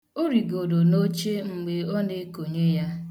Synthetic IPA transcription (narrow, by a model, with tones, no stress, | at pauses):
o˦ɾi˨ɡo˨do˨no˦t͡ʃe˦ŋ͡m̩˨ɡ͡be˨ɔ˦ne˦ko˨ɲe˦ja˦